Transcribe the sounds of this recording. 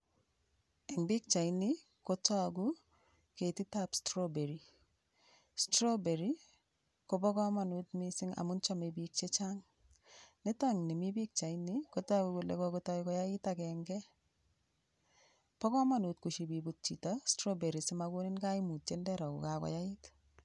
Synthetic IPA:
ɛ˨ŋbi˦k̚t͡ʃa˨jni | ko˦ta˦ku˦ | ke˨ti˦tapstɾobe˨ɾi | stro˦be˨ɾi˦ | ko˨bɔ˦kɔ˦ma˨nu˨tmisɪ˦ŋa̰˨mʊ˦nt͡ʃɔ˦mebik̚t͡ʃe˦t͡ʃa˦ŋ | ne˦taŋni˨mi˦bi˦k̚t͡ʃa˨iniko˦ta˦ku˨ku˨lḛ˨kɔku˦tɔ˦ikɔ˦ja˦ɪtakɛŋɡɛ˦ | pɔ˦kɔ˦ma˦nu˨tku˨ʃibi˨but̚t͡ʃitastro˦be˨ɾi˨sɪ˦mako˦nɪ˦nka˦ɪmu˨t̚t͡ʃendɛɾɔ˨kṵ˨kakɔ̰˨ja˦ɪt

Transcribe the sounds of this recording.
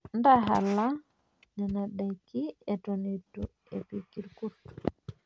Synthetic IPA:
nda˦ɦa̰˨lːa˦ | nɛ˨na˨ɗa˨jkːi˦ɛ˨tɔ˨ni˨tu | ḛ˨pi˨ki˨ɾku˦tu̥

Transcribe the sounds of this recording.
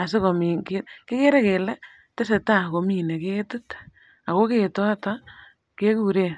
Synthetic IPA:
a˨s̬ɪ˦ko˨mi˨keke˦ke˦ɾe˦ke˨lɛ˦ | te˦se˨ta˦ko˨mi˦ne˨ke˦tu˦t | a˨ko˦ke˨tɔ˦ta˦ | ke˦ku˨ɾe˦

